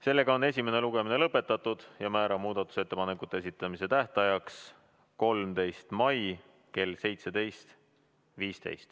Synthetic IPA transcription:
se̞lːe̞ɡ̥ɑo̞ne̞s̬ʲimene̞luɡ̥e̞mine̞lɤpːˑe̞t̪ːˑɑt̪ːˑud̪̥jɑmæːɾɑmuːd̪̥ɑt̪ːˑu̥se̞t̪ːe̞pɑnekˑut̪ːˑeesit̪ːˑɑmise̞t̪æht̪ɑjɑks | ko̞lmt̪e̞jst̪mɑj | ke̞lse̞jt̪se̞d̪e̞jst̪ | viːst̪e̞̰jst̪

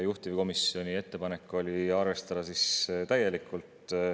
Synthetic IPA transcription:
juht̪ivko̞misio̞nʲie̞t̪ːe̞pɑne̞kːˑo̞lʲiɑrvest̪ɑd̪̥ɑsist̪æje̞likːˑult̪ˑ

